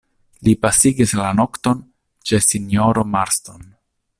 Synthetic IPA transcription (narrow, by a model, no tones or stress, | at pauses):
lipasiɡislano̞kt̪o̞n | t͡ʃe̞sinjoɾomaɾst̪on